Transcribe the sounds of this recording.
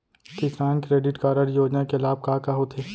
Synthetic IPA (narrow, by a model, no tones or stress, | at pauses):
kɪsɾaːnkɾeːɖɪʈkaːɾəɽjoːd͡ʒnakelaːb̚kaːkaɦot̪ʰeː